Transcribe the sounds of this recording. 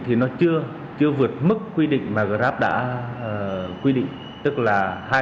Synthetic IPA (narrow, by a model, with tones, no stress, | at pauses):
t̪ʰi˨˩nɔ˨˦t͡ɕɨ˧ə | t͡ɕɨ˧əvɨ˨˩ət̚mɨ˦˥kːwi˧ɗḭ˧˨ŋ̟maː˨˩ɣaː˧˩zaː˦˥p̚ɗa̰ː˧˥ | kwi˧ɗḭ˧˨ŋ̟ | t̪ɨ˦˥k̚laː˨˩haː˧